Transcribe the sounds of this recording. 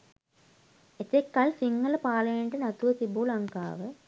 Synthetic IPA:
et̪ekːalsiŋːɐlɐpaːlɐjenɖenɐt̪uʋɐsibulɐŋka̰ːʋə

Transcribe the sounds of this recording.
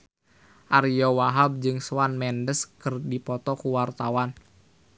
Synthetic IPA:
ʔaɾijɔwaɦab̚d͡ʒɨŋswanmɛndəskɨrdipɔt̪ɔkuwart̪awan

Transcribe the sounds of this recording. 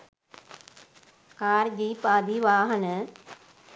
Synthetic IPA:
kaːɾd͡ʑiːpaːd̪ʱiːʋaːɦənə

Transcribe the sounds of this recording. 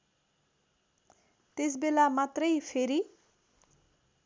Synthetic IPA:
t̪es̬belamat̪rʌjpʰeɾi

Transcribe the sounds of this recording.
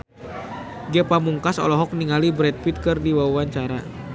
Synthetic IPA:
ɡɛpamuŋkasɔ̰lɔɦɔk̚niŋalibɾɛt̪̚pit̪̚kɨrdiwauaɲt͡ʃaɾa̰

